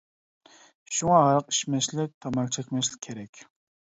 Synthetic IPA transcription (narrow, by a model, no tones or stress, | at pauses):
ʃuŋɑɑɾəqi̥ʃmɛʃlɪk̚ʲt̪ʰɑmɑlt͡ʃʰɛkʲmɛʃlɪ̥kʲʰːeɾɛkʲ